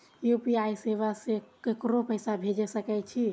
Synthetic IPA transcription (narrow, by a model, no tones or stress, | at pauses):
jupiajseβasekekɾopəjsabʱed͡ʒesəkɛt͡ʃʰi